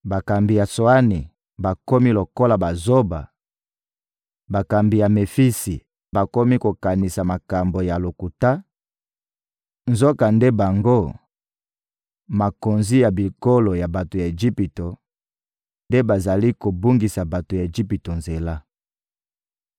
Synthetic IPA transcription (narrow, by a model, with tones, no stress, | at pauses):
ba˨ka˨mbi˨ja˨so˨a˦ni˨ | ba˨ko˦mi˦lo˨ko˦la˨ba˨zo˦ba˨ | ba˨ka˨mbi˨ja˨me˨fi˦si˨ | ba˨ko˦mi˦ko˨ka˨ni˨sa˨ma˨ka˨mbo˨ja˨lo˨ku˨ta˦ | nzo˦ka˨nde˦ba˨ŋɡo˦˨ | ma˨ko˨nzi˦ja˨bi˨ko˦lo˨ja˨ba˨to˨ja˨e˨d͡ʒi˦pi˨to˨ | nde˦ba˨za˨li˦ko˨bu˦ŋɡi˨sa˨ba˨to˨ja˨e˨d͡ʒi˦pi˨to˨nze˨la˦